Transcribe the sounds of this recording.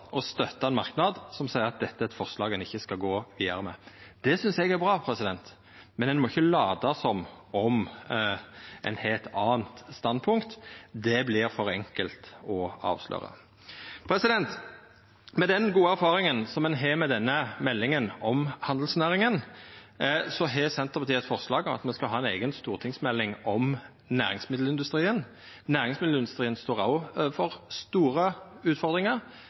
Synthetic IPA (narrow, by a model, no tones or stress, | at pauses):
ʔɔst̪œt̪ːɑɛnmɑɾknɑd̪sɔmsæɪəɾɑt̪̚d̪ɛt̪ːəɛt̪fɔʁslɑːɡənɪçːəskɑɡoːʋiːd̪ɑɾəmɛ̰ːd̪̥ɛsʏnsɛɡæɾbʁɑːpʰɾɛsɪd̪ɛnt̪ | mɛnɛnmɔɪçːəlɑːd̪ɑsɔmɔm | ʔɛ̰nhelt̪ɑːnt̪st̪ɑnd̪̚pʰʊŋkt̪d̪ɛblɪɾfɔɾɛŋkəlt̪ɔɑ̰ːʋslø̰ːɾə̰ | pʰɾɛsɪd̪ɛnt̪ | mɛd̪ɛnɡuːəæɾfɑːɾɪŋənsɔmɛnɦɛːmɛd̪ɛnːəmɛlːɪŋənɔmhɑnd̪l̩snæːɾɪŋən | sɔɦɛsɛnt̪əʁpʰɑt̪iːəɛt̪fɔɾslɑːɡɔmɑ̰t̪mɛnskɑlɦɑːɛnḛːɡənst̪uːʁt̪ʰɪŋsmɛlːɪŋɔm | næ̰ːɾɪ̰ŋsmɪd̪l̩ɪnd̪ʉst̪ɾiːən | næːʁɾɪŋsmɪd̪l̩ɪnd̪ʉst̪ɾiːənst̪oːʁɑʊfɔʁst̪uːɾəʉːt̪fɔʁd̪ʁɪŋəʁ